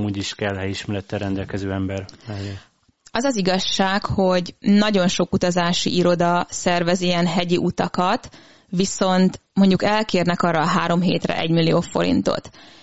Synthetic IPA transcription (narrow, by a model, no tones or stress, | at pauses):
muːɟiʃkɛlhɛjiʃmɛɾɛt̪ːɛrɾɛnd̪ɛlkɛzøːɛmbɛrɛɛ | ɒzɒziɡɒʃːaːkho̞ɟnɒɟo̞nʃo̞kut̪ɒzaːʃḭʔiɾo̞d̪ɒsɛrvɛziɛnɦɛɟiʔut̪ɒkɒt̪ | ʋiso̞nt̪mo̞ɲɟukɛlkeːrnɛkɒrːɒːɦaːɾo̞mɦḛːt̪rɛ̰ʔɛɟmilːioːfo̞̰ɾḭnt̪o̞̰t̪